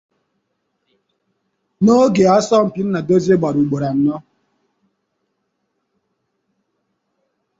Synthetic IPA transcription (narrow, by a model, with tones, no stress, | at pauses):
no˦ɡe˨a˨˦sɔ˦˨m̩˨pi˨˦n˦na˨do˦ze˦bɔ˨ɾu˨ɡ͡bo˨ɾa˨n˨˦nɔ˦